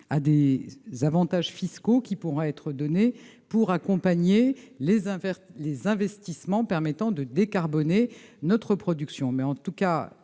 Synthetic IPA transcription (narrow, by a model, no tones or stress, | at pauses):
ad̪ezavɑ̃t̪aʒfiskokʲipuʁɛɛt̪χəd̪ɔne | puʁakɔ̃paɲeleɛ̃vɛlezɛ̃vɛst̪ismɑ̃pɛʁmɛt̪ɑ̃d̪əd̪ekaʁbɔnenɔt̪χəpχɔd̪yksjɔ̃mɛɑ̃t̪uka